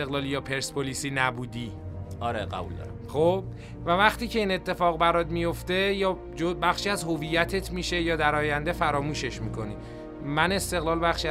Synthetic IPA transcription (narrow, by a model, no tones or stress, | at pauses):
eɣlɒːlijɒːpʰe̞ɾspʰolisiːnæbuːd̪iːɒɾḛɢæ̰bṵld̪ɒ̰ɾ̰ | χob̥ | vævæχt̪iːcʰe̞iːne̞t̪ʰːe̞fɒːɣbæɾɒːd̪mijo̞ft̪e̞jɒː | d͡ʒobæχʃiːæzho̞viːjːæt̪ʰe̞t̪ʰmiːʃe̞jɒːd̪æɾɒːjænd̪e̞fæɾɒːmuːʃe̞ʃmiːkʰo̞niː | mæne̞st̪e̞ɣlɒːlbæχʃiːæ